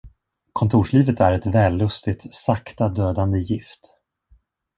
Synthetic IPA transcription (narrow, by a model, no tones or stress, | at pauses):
kʰɔnt̪ʰuːʂɭiːvət̪æɾɛt̪vɛːlːɵst̪ɪt̪sakt̪ad̪øːd̪and̪əjɪft̪